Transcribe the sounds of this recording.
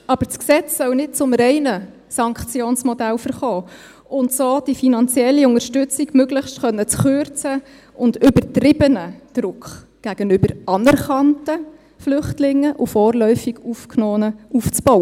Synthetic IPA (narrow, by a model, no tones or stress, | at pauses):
ɑb̥əɾt͡sksɛt͡ssœwnɪt̚t͡sʊmɾɛɪnə | sɑŋkχt͡sjoːnsmɔdælfəɾχɔː | ʊntsoːd̥ifinɑnt͡sjɛlːiʊŋəɾʃtʏt͡siɡmøɡləχʃtχœnːət͡sχøɾt͡sə | ʊndʏbətɾɪbənəd̥ɾʊkχ | ɡ̥æɡ̥ənʏbəɾɑnɛɾχɑntə | flʏχtlɪŋːəʔʊfɔːrlœʏfiɡ̥ufknɔːnəuft͡sb̥ɔwə